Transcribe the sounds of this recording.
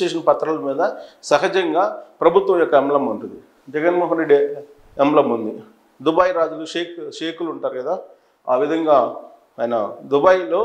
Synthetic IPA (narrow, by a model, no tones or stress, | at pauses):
eːʂɐnpɐt̪ːɾɐlɐmiːd̪ɐsɐɦɐd͡ʒɐŋɡaːpɾɐbʱut̪ʋɐmjɔkːɐɛmlɐmuɳʈund̪i | d͡ʒɛɡɐnmoːɦɐnɾeɖːi | ɛmlɐmund̪i | d̪ubɐjɾaːd͡ʒuluʃeːkʰʃeːkuluɳʈaːɾuɡɐd̪aː | a̰ːʋid̪ʱɐŋɡaː | jnɐd̪ubɐjiloː